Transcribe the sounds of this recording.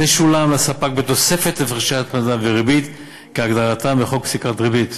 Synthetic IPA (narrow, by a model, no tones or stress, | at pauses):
eʃulamlasapak̚bet̪o̞sefet̪lefʁeʃat̪̚pazaveʁibit̪ | keaɡd̪aʁat̪ambeχoksikʁat̪ʁibit̪